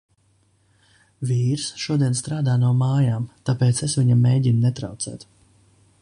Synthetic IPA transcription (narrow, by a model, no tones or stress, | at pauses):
viːɾsʃuɔd̪iɛnst̪ɾaːd̪aːnuɔmaːjaːmt̪apeːt̪sesviɲamːeːɟʲinunɛt̪ɾa̰wt̪sɛ̰ːt̪